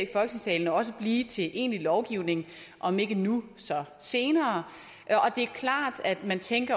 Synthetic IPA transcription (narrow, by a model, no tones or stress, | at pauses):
ifɒ̽lɡ̥əseŋsɛːln̩ɒɒ̽s̬əb̥liːt͡sʰe̝ʔe̝̰ːnlilɒʊɡ̥iʊ̰ne̝ŋ | ʔɒ̽me̝ɡ̥ənusɒ̽se̝ːnɐː | ʔɒ̽d̥e̝æɐkʰlɑ̰̈ːd̥æd̥mænt͡sʰeŋɡ̥ɐ